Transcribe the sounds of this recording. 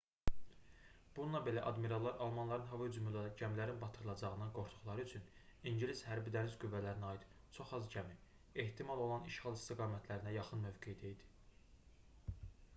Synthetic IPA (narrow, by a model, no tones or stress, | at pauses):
b̥unuɑbe̞læʔɑd̪miɾɑlˠːɑɾʔɑlˠmɑnlˠɑɾɯnɦɑvɑd͡ʒymylɟæmlæɾinbɑt̪ʰɯɾɯlˠɑd͡ʒɑʁɯnɯɡo̞ɾt̪ʰu̥χlˠɑɾɯyt͡ʃʰyniɲɟiliz̥hæɾbid̪æɾizɡyvːælæɾiniɑid̪ | t͡ʃʰo̞χɑzɟæmi | e̞ht̪ʰimɑlˠo̞lˠɑniʃχɑlˠist̪iɡɑːmæt̪ʰlæɾinæjɑχɯnmø̞vɡejd̪eid̪i̥